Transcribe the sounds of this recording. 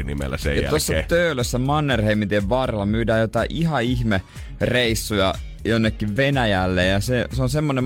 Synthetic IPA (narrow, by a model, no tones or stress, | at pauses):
nḭmḛlːæ̰sḛjɑt̪osːɑt̪øyløsːæmɑnːerheimit̪eʋʋɑrlɑmyːdæːjot̪ɑiʔiɦɑiçme | reisːujɑ | jonːekːiʋʋenæjælːejjɑseseonsemːonem